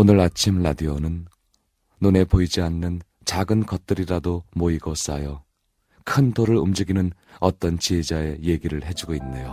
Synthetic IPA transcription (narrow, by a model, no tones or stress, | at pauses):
onɯɾat͡ɕʰimladionɯn | none̞poid͡ʑianːɯn | t͡ɕaɡɯnkʌt̚t͈ɯɾiɾadomoiɡʌs͈a̰jʌ | kʰɯntoɾɯɭumd͡ʑiɡinɯn | ʌt͈ʌnt͡ɕied͡ʑae̞je̞ɡiɾɯɭɦe̞d͡ʑuɡoinːejo